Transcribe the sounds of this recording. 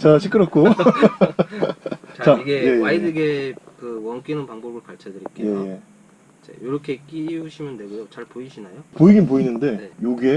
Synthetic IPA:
t͡ɕaɕʰik͈ɯɾʌk͈ʰo | t͡ɕt͡ɕaiɡeje̞aidɯɡekɯwʌnk͈inɯnpaŋbobɯɭkaɭt͡ɕʰʌdɯɾik͈eje̞je | d͡ʑḛjoɾʌkʰe̞k͈iuɕʰimjʌndwe̞ɡujot͡ɕaɭpoiɕʰinajopoiɡimpoinɯnde̞joɡe̞

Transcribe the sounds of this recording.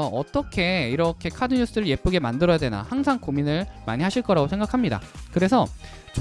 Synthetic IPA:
ʌʌt͈ʌkʰe̞iɾʌkʰe̞kʰadɯɲus͈ɯɾɯɭje̞p͈uɡe̞mandɯɾʌjadwe̞na̰haŋsʰaŋkominɯɭma̰ɲiɦaɕʰiɭk͈ʌɾaɡosʰe̞ŋɡakʰamɲida̰kɯɾe̞sʰʌ | t͡ɕ

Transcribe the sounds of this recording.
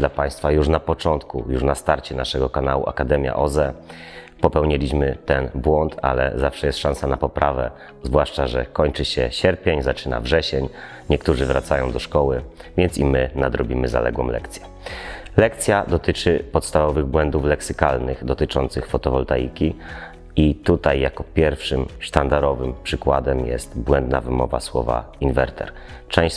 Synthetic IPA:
d̪lapaj̃st̪fajuʂnapɔt͡ʂɔnt̪kṵjuʂnast̪aɾt͡ɕɛnaʂɛɡɔkanawṵʔa̰kad̪ɛmʲja̰ʔɔzɛ | pɔpɛwɲilʲiɕmɘt̪ɛnbwɔnt̪ʰa̰lɛ̰zafʂɛjɛst̪ʂansanapɔpɾʔavɛ̰ | zvwaʂt͡ʂaʐɛ̰kɔɲt͡ʂɘɕɛ̰ɕɛɾpʲjeɲzat͡ʂɘna̰vʐɛɕɛɲ | ɲɛkt̪uʐɘvɾa̰t̪sajɔ̃w̃d̪ɔʂkɔwɘ | vʲjɛnt̪simɘnad̪ɾɔbʲimɘza̰lɛ̰ɡwɔ̃m̃lɛ̰kt̪sʲjɛ | lɛkt̪sʲjad̪ɔt̪ɘt͡ʂɘpɔt̪st̪avɔvɘɣbwɛnd̪uflɛksɘkalnɘɣd̪ɔt̪ɘt͡ʂɔnt̪sɘxfɔt̪ɔvɔlt̪ajḭkʲi | it̪ut̪ajːjakɔpʲjɛɾfʂɘmʂt̪and̪aɾɔvɘmpʂɘkwad̪ɛmjɛ̰st̪bwɛnd̪navɘmɔva̰swɔva̰ | invɛɾt̪ʰɛ̰ɾ | t͡ʂɛ̃w̃ɕ

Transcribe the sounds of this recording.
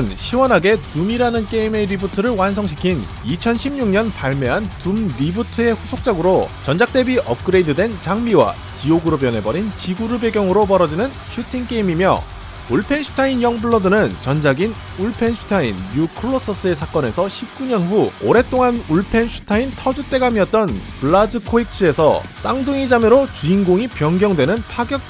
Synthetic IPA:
nɕʰiwʌnɦaɡe̞tumiɾanɯnk͈e̞ime̞ɾibutʰɯɾɯɭwans̬ʰʌŋɕʰi̥kʰin | it͡ɕʰʌnɕʰimɲuŋɲʌnpaɭme̞ɦantumɾibutʰɯe̞ɸusʰok̚t͡ɕ͈ʌɡɯɾot͡ɕʌnd͡ʑak̚t͈e̞biʔʌp̚k͈ɯɾe̞idɯdwe̞nt͡ɕaŋmiwa̰ | t͡ɕioɡɯɾopjʌnɦe̞bʌɾint͡ɕiɡuɾɯɭbe̞ɡjʌŋɯɾopʌɾʌd͡ʑinɯn | ɕʰutʰiŋk͈eimimjʌ̰ | uɭpʰe̞nɕʰu̥tʰainjʌŋbɯɭːʌdɯnɯnt͡ɕʌnd͡ʑaɡin | uɭpʰe̞nɕʰu̥tʰainːukʰɯɭːʌs͈ʰʌs͈ɯe̞s̬ʰak͈ʌne̞sʰʌɕʰip̚k͈uɲʌnɸuoɾe̞t͈oŋanuɭpʰe̞nɕʰu̥tʰaintʰʌd͡ʑut͈e̞ɡamiʌt̚t͈ʌnpɯɭːad͡ʑɯkʰoik̚t͡ɕʰɯe̞sʰʌs͈aŋdɯŋid͡ʑamjɯɾot͡ɕuinɡoŋipjʌŋɡjʌŋdwe̞nɯnpʰaɡjʌk̚

